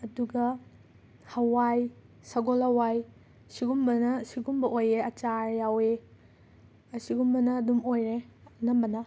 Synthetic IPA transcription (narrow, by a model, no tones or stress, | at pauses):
ɐduɡɐ | hɐwaj | sɐɡolɐwaj | siɡumbɐnɐsiɡumbɐʔojeɐt͡ʃaɾjawe | ɐsiɡumbɐnɐːdumojɾenɐmbɐnɐ